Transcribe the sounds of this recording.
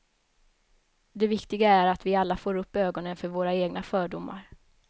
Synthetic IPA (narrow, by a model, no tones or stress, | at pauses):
d̪ɛvɪkt̪ɪɡaæɾat̪vɪalːafoːɾɵpːøːɡɔnənfœɾvoːɾaeːɡnafœːɖʊmːa̰ɾ